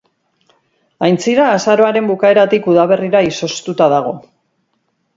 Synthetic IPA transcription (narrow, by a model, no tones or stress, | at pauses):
ajnt͡siɾaːsaɾo̞aɾe̞mbukae̞ɾat̪ikuðaβ̞e̞riɾaiso̞st̪ut̪aðaɣ̞o̞